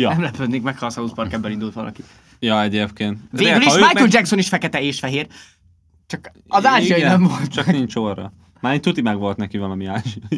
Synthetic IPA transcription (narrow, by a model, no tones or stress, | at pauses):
jnɛmlɛpød̪neːŋkmɛkhɒsɒluːspɒrkɛbːɛlind̪ult̪ʋɒ̰lʔɒ̰ki | jɒɛɟeːpkeːnt̪veːɡyliʃʃmaːjold͡ʒɛksoniʃfɛkɛt̪ɛeːʃfɛɦeːr | t͡ʃɒk | ɒzaːʒiɒjinɛmvo̞lt̪t͡ʃɒkniɲt͡ʃorɒ̰ | maːɾiɲt̪ut̪imɛɡʋo̞lt̪nɛkivɒlɒmiaːʒiɒji